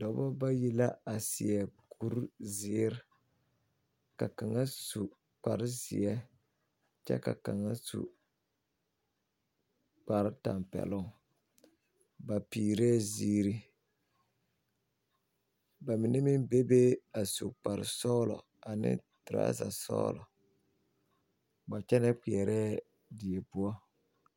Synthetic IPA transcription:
dɔ˨˦bɔ˦ba˦ji˦la˦a˨si˨ɛ˨kʰu˦ɾzɪ˦ɾ | ka˨ka˨ŋa˦su˨ | k͡pa˨ɾɪ˦zḭ˨ɛ˦ | t͡ʃɛ̰˦ka̰˨ka˨ŋa˦sṵ˨ | k͡pa˨ɾɪ˦ta̰˨mpɛ̰˨lʊ˦ŋ | ba˨piː˨ɾɛː˦ziː˦ɾi˦ | ba˨mɪ˨nɛ˦mɪ˦mbe˦be˦a˨su˨k͡pa˨ɾɪ̰˨sɔ˦lɔ̰˨ | a˨nɪ̰˦tɾa̰ː˦za̰˨sɔ̰ː˦lɔ̰˨ | ba˨t͡ʃɛ˦nɛ˦k͡pi˨ɛ˨ɾɛː˦ | di˨ɛ˨pʊ˦ɔ˦

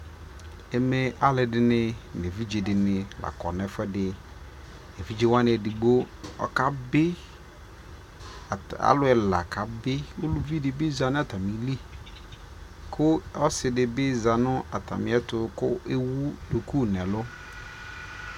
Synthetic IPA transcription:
ɛ˨mɛ˦ʔa˨lɪ˨dɪ˨nɪ̃˨n˨e˨vi˦d͡ʒe˨dɪ˨nɪ̃˨la̰˨kɔ̰˨nɛ˨fɛ˦dɪ˨ | ɛ˨vi˦d͡ʒe˦wa˦nɪ̃˨ɛ˨dɪ˨ɡ͡bo˦ | ɔ̰˨ka˨bɪ˦˨ | a̰˨˦lʊ˦ɛ˨la˨kʰa˨bɪ˦wo˦lu˦vi˦dɪ˨bɪ˦za˨nʊ̃˦a˨tʰa˨mi˨˦li˦ | kʰʊ˦ɔ˦sɪ˨dɪ˨bɪ˦za˨nʊ̃˦a˨tʰa̰˨mɪ̃˨ɛ˦tʊ˦kʊ˦e˦wu˦do˨ku˦nɛ̃˨lʊ˦

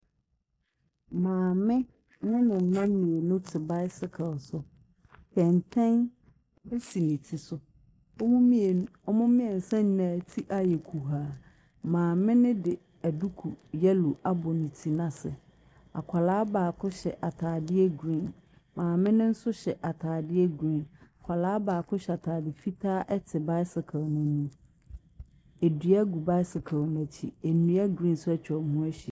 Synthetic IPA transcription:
mãː˨mɪ̃˦ | nʊ̃˦nɪ̃˨n̩˨nã˦mmĩ˨e˨nʊ̃˦tʰɪ˨ba˦ɪ˦sɪ˨kʰɪ˨lsʊ˦ | pʰɛ̃˨ntʰɛ̃˦n | ɛ˦si˨nɪ̃˨tʰi˨sʊ˦ | ɔ˦mʊ̃˦mi˦e˨ɔ˦mʊ̃˦mɪ̃˦ɛ˨n̩˨sã˦n˦nãː˨tʰi˦ʔa˨jɛ˨kʰu˨ɦaː˨ | mãː˨mɪ̃˦nɪ̃˦dɪ˨ | æ˨du˦kʰu˨jɛ˦lu˨ʔa˦bɔ˨nĩ˨tʰi˨nã˨sɪ̰˨ | a̰˨kʷʰa˨laː˦baː˨kʰʊ˦ɕɛ˨ʔa˨tʰaː˨dɪ˦ɛ˦ɡɾĩ˦˨n | mãː˨mɪ̃˦nɪ̃˦n̩˦sʊ˦ɕɛ˨ʔa˨tʰaː˨dɪ˦ɛ˦ɡɾĩ˦˨na˨kʷʰa˨laː˦baː˨kʰʊ˦ɕɛ˨a˨tʰaː˨dɪ˨fi˦tʰaː˦ʔɛ˦tʰɪ˨ba˦ɪ˦sɪ˨kʰã˨mã˨nũ˦ | e˨di˨a˦ɡu˨ba˦ɪ˦sɪ˨kʰã˨n˨æ˨t͡ɕʰḭ˨e˨nũ˨˦ɛ˦ɡɾĩ˦˨nsʊ˦ɛ˦t͡ɕʰᶣɔ˨hũ˦æ˦ɕi˨

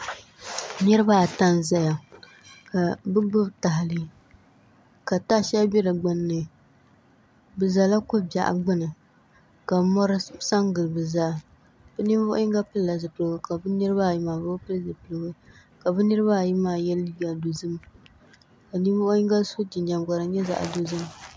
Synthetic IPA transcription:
nɨ˦ɾɨ˦ba˦˨ta˦nza˦ja˨ | ka˨bɨ˦ɡ͡bɨ˦bta˨ɦɪ˨lɨ˦ | ka˨ta˦ʃɛ˦bɛ˦dɨ˨ɡ͡ba˦nːɨ˨ | bɨ˨za˨la˦kʊ˦bja̰˨ʔa̰˨ɡ͡bɨ˦nɨ˨ | ka˨˦mɔ˦ɾɨ˦sa˦ŋɡɨ˨lɨ˨bɨ˨za˦ | bɨ˦ni˦vʊ˦ʔʊ̰˦i˦ŋɡa˦pɨ˦lla˨zɨ˨pɨ˨lɨ˨˦wɨ˦ka˨bɨ˦nɨ˦ɾɨ˦ba˦˨ji˦maː˨bɨ˦pɨ˦lzɨ˨pɨ˨lɨ˨wɨ˦ | ka˨bɨ˦nɨ˦ɾɨ˦ba˦˨ji˦maː˨jɛ˦lːi˦ba˨do˨zɨ˦m | ka˨ni˦vʊ˦ʔʊ˦ji˦ŋɡa˦so˦ti˨nd͡ʒa˨m˨ɡa˨ɾɨ˨ɲɛ˦za̰˨ʔdo˨zɨ˦m

